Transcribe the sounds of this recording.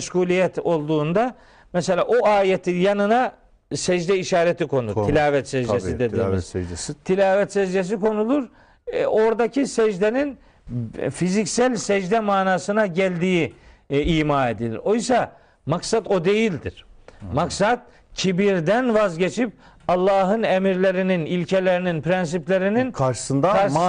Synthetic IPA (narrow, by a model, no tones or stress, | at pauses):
ʃɡuːlʲijɛt̪ʰo̞lˠd̪uːnd̪a | mɛselʲaːʔoʔaːjet̪ʰinjanɯna | sɛd͡ʒd̪ɛiʃaːɾɛt̪ʰikʰo̞nut̪ʰilʲaːvɛt̪sɛd͡ʒ̪esid̪ed̪iːmizt̪ʰilʲaːvɛt̪sɛd͡ʒd͡ʒ̪es̬iko̞nulˠuɾ | o̞ɾd̪acʰisɛd͡ʒd̪enin | fizicsælʲsɛʒd̪ɛmaːnaːsɯnaɟælʲd̪iːiiːmaːe̞d̪ilʲḭɾo̞jsa | maksat̪o̞d̪e̞jilʲd̪iɾ̥maksad̪̥̚ | cʰibiɾd̪ænvazɟet͡ʃʰip̚ | ɑlˠːɑːɦɯnemiɾlʲe̞ɾininilʲcʰelʲe̞ɾininpʰɾɛns̬iplʲeɾininkʰaɾʃɯ̥sɯnd̪aa